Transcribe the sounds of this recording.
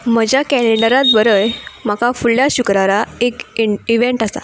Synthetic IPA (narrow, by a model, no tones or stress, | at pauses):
m̤əd͡ʑjakɛliɳəɾat̪ʋəɾəjm̤akafuɭjaɕukɾaɾaekiʋeɳʈasa̰